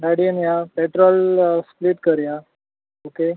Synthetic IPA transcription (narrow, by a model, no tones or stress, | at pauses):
ɖaɽiənjapeʈɾɔlspliʈkəɾja | oke